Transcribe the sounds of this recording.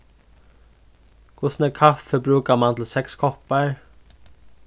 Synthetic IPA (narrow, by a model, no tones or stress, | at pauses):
kʰvʊsnɛɾkʰafəbɾuːkamant̪ʰɪlsɛkskʰɔhpaɹ